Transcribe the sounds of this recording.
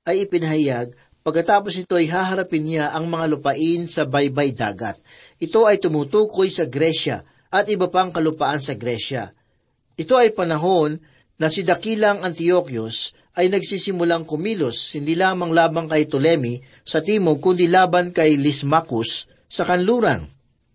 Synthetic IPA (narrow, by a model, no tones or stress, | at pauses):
ʔɐjɪpɪnɐɦɐjaɡ̚ | pɐɡ̚kːɐt̪aːpo̞snɪt̪o̞ɐjɦaːɦɐɾɐpɪnɲaʔɐŋmɐŋalʊpɐʔɪnsɐbajbajd̪a̰ːɡɐ̰t̪̚ | ʔɪt̪o̞ɐjt̪ʊmut̪uːkojsɐɡɾɛʃɐ̰ | ʔɐt̪̚ʔɪbɐpaŋkɐlʊpɐʔansɐɡɾɛʃɐ̰ | ʔɪt̪o̞ɐjpɐnɐɦo̞nː | ɐsɪd̪ɐkilɐŋɐnt̪ɪo̞kjos | ʔɐjnɐɡsiːsɪmʊlaŋkomiloshɪnd̪iːlaːmɐŋlaːbɐŋkɐjt̪ʊlɛmi | sɐt̪iːmoɡ̚kʊnd̪ilaːbɐnkɐjlɪsmakʊsː | ɐkɐnluːɾɐŋ